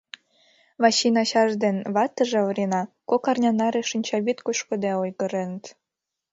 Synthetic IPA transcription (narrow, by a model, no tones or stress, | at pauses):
βɑɕinɑɕɑʒd̪enβɑt̪ə̆ʒĕβɾʲenɑkokɑrnʲɑnɑɾeʃənʲt͡ɕɑβit̪kuʃkŏd̪eojɣəɾenət̪